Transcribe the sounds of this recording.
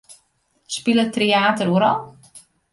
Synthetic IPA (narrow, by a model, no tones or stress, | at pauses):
spilətreaːtəɾuəɾɔlˠ